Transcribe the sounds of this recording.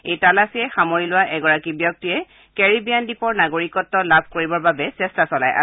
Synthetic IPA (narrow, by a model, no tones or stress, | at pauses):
ejtalasijɛxamoɹilʊwaʔɛɡɔɹakibjɔk̚tijɛ | kɛɹibijandipɔɹnaɡoɹikɔtːɔlabʱkoɹibɔɹbabɛsɛstasɔla̰jʔa̰